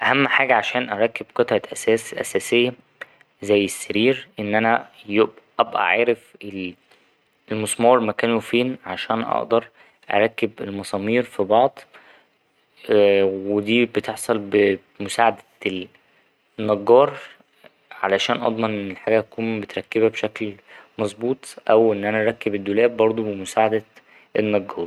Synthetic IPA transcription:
ʔæhæmːħaːɡæʕaʃæːnʔæɾˤɑkːebqɑt̪ˤʕɑʔæsæːsʔæ̰sæːsejːæ | zæjːesːæɾiːɾʔenːʔænæjebʔæbʔæ̰ʕaːɾefel | lmosmɑːɾˤmækæːnufiːnʕaʃæːnʔɑ̰ʔd̪ɑɾˤ | ʔæ̰ɾˤɑkːebelmɑsˤɑːmiːɾfibɑʕd̪ˤ | wed̪iːbet̪eħsˤɑlbe | mosaːʕad̪æ | nːɑɡːɑːɾˤ | ʕalæʃæːnʔɑ̰d̪ˤmɑnʔenːelħaːɡæʔækuːnbet̪ɾˤɑkːebæbʃæklmɑzˤbuːt̪ˤʔæwʔenːʔænæʔæɾˤɑkːebed̪ːolæːbbɑɾˤd̪ˤobemosaːʕad̪æ | ʔenːɑɡːɑːɾˤ

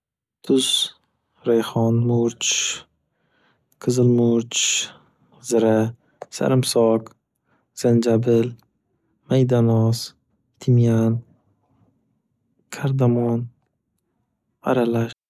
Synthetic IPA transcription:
t̪ʰʊz | ɾajχɒnmʊɾt͡ʃ | qʰɨzɨlmʊɾt͡ʃ | zɪɾa | sa̰ɾɪmsɒk | z̥and͡ʒabɪl | majd̪anɒs | t̪ʰɪmjan | kʲʰaɾd̪amɒn | a̰ɾalaʃ

